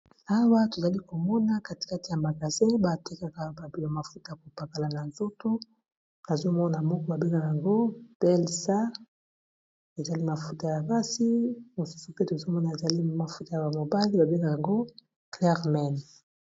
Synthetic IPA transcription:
a˦wa˦to˨za˨li˦ko˨mɔ˦na˦ka˦ti̥˨ka˦ti˨ja˨ma˨ka˨se˦ba˨te˦ka˦˨ka˨ba˨bi˨a˨ma˨fu˦ta˦˨ja˨ko˨pa˨ka˨la˨na˨nzo˦to˦ | a˨zo˦mɔ˦na˨mɔ˦kɔ˦ba˨be˦ŋɡa˦ka˨a˨ŋɡo˦b̥ɛ˦lsa˦ | e˨za˨li˦ma˨fu˦ta˨ja˨ba˦si˦mo˨su̥˦su˨pe˦to˨zo˦mɔ˦na˨e˨za˨li˦ma˨fu˦ta˨ja˨ba˨mo˨ba˦li˦ba˨be˦ŋɡa˦˨ka˨ŋɡo˦ | klɛ˦ʁmɛ˦˨n

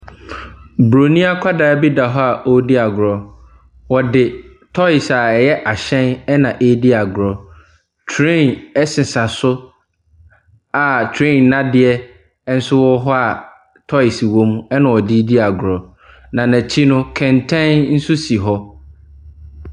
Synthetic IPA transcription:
bɾo˨nĩ˦a˦kʷʰa˦daː˨˦bi˦da˨ɦɔ˦a˨ʔo˦di˦a˨ɡʊ˨ɾɔ˨ | wɔ˨dɪ˨ | tʰɔ˦ɪ˨sa˨jɛ˦ʔa˨ɕɛ̃˦nɛ˦nã˨ʔe˦di˦a˨ɡɾɔ˨ | tʰɾẽ˦˨nɛ˦sɪ̃˨sa˨sʊ˦ | a˨tʰɾẽ˦˨n˨nã˦dɪ˨ɛ˦ | n̩˦sʊ˦wɔ˦ɦɔ˦a˨ | tʰɔ˦ɪ˨si˨wõ˦m˦ɛ˦nã˨wɔ˨di˦di˦a˨ɡʊ˨ɾɔ˨ | nã˨næ̃˨t͡ɕʰi˦nʊ̃˦kʰɛ̃˨ntʰɛ̃˦nn̩˦su˦si˨ɦɔ˦

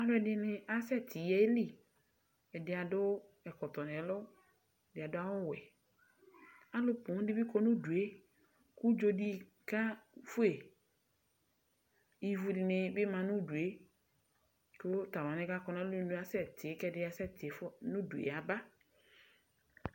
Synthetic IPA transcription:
a˦ɖʊ˦ɛ˨dɪ˦nɪ̃˦a˦sɛ˦t̪ʰɪ˨je˦li˦˨ | ɛ˨dɪ˨a˨dʊ˦ | ɛ˨kɔ˨t̪ɔ˨nɛ̃˨lʊ˦ | ɛ˨dɪ˨a˨dʊ˦a˦wʊ˦wɛ˨ | a˦lʊ˦pʊ˨ŋ˦dɪ˦bi˦ko˦nũ˦du˨e˦ | ku˦d͡ʒo˦di˦ | ka˦fʊ˦e˨ | ji˦vu˦dɪ˨nɪ̃˨be˦mã˨nũ˦du˨e˦ | kʊ˦t̪a˨wa˨nɪ̃˦ka˦kɔ˦nã˦lʊ˦nũ˦a˦sɛ˦t̪ɪ˨e˦kɛ˦dɪ˦a˨sɛ˦t̪ɪ˨e˨fʊ˦nũ˦du˨ḛ˨a˨ba˦

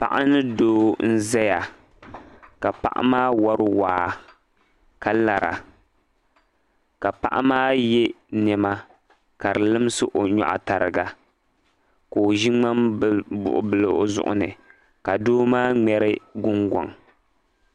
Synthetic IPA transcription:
pa̰˨ʔa˦nɨ˦doː˦n̩˦zɛ˦ja˨ | ka˨pa̰˦ʔa̰˦maː˦wa˦ɾɨ˦waː˨ | ka˨la˨ɾa̰˨ | ka˨pa̰˦ʔa˦maː˦jɛ˦ | nɛ˨ma˦ | ka˨ɾɨ˨lɨ˦m˦sɨ˦ʔo˨ɲɔ̰˨ʔa̰˨ta˨ɾɨ˨ɡa˨ | ko˨ʒi˦ŋ͡ma˦mbʊ̰˨ʔʊ̰˨bɨ˨lɨ˨ʔo˦zʊ̰˦ʔʊ̰˦nɨ˨ | ka˨doː˦maː˦ŋ͡mɛ˦ɾɨ˦ɡʊ˦ŋɡɔ̰˨ŋ

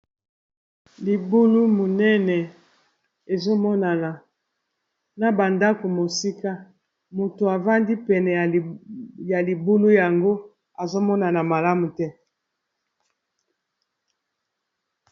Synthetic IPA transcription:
li˨bu˦lu˦mo˨nɛ˦nɛ˨ | e˨zo˦mɔ˦na˨na˨ | na˨ba˨nda˦ko˨mo˨si˦ka˦ | mo˨to˨a˨va˦ndi˦pɛ˨nɛ˨ja˨li˨bu˦lu˦ja˨ŋɡo˦ | a˨zo˦mɔ˦na˨na˨ma˨la˦mu˨tɛ˦

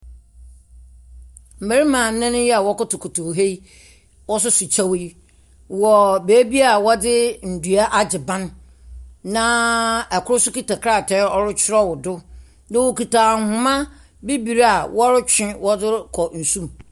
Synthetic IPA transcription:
m̩˨me˨ɾi˦mã˨n̩˦nã˦nʊ̃˦jɛ˦a˨wɔ˦kʊ˦tʊ˨kʰʊ˨tʰʊ˨ɦe˦i˦ | wɔ˦s̬ʊ˦sʊ˨t͡ɕʰa˦we˦ | wɔ˨be˨e˦bi˦a˨wɔ˦dɪ˦n̩˨du˨a˦ʔa˦d͡ʑɪ˨bã˦nː | ã˦ɛ˨kʰʊ˦ʊ˦sʊ˦ki˦ta˨kʰɾa˦˨tʰɛ˨˦ɔ˦ɾʊ˦t͡ɕʰɪ˦ɾɔ˦wʊ˨dʊ˦ | nã˦wo˨ki˨taː˨hʊ̃˨mã˦ | bi˦bi˨ɾa˨wɔ˦ɾʊ˦t͡ɕʰᶣɪ̃˦wɔ˦dɪ˦kʰɔ˨n̩˨sũ˦m

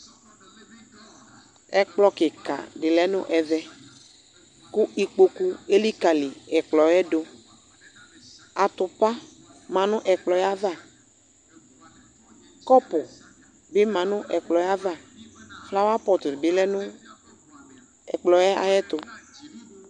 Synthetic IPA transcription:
ɛ˨k͡plɔ˨kɪ˨ka̰˨ɖɪ˨lɛ˦nʊ̰̃˦ʔɛ˨vɛ˦ | ku˦ʔi˨k͡po˦ku˦e˦li˦ka˨li˨ɛ˨k͡plɔ˨jɛ˦ɖo˦ | a˨t̪ʊ˨pa˦ | mã˨nʊ̃˦ʔɛ˨k͡plɔ˨ja˦va˦˨ | kɔ˦pʊ˨ | bɪ˦mã˨nʊ̃˦ʔɛ˨k͡plɔ˨ja˦va˦˨fla˦wa˦pɔ˨t̪bɪ˨lɛ˦nʊ̃˦ | ɛ̰˨k͡plɔ˨jɛ˦a̰˨jɛ˦t̪ʊ˨

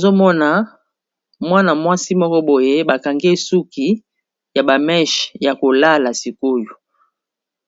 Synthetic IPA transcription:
zo˦mɔ˦na˨ | mwa˦na˨mwa˦si˦mɔ˦kɔ˦bo˨je˦ba˨ka˨ŋɡe˦su˦ki˨ | ja˨ba˨mɛ˦ʃja˨ko˨la˦la˨si˨ko˦jo˨

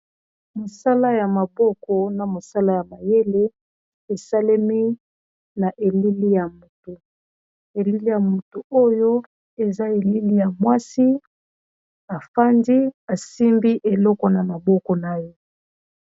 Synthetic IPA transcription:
mo˨sa˦la˦ja˨ma˨bɔ˦kɔ˨na˨mo˨sa˦la˦ja˨ma˨je˦le˦ | e˨sa˦le˦mi˦ | na˨ʔe˨li˦li˦ja˨mo˨to˨ | e˨li˦li˦ja˨mo˨to˨o˦jo˦ | e˨za˦e˨li˦li˦ja˨mwa˦si˦ | a˨fa˦ndi˦a˨si˦mbi˦ʔe˨lɔ˦kɔ˨na˨ma˨bɔ˦kɔ˨na˦je˦

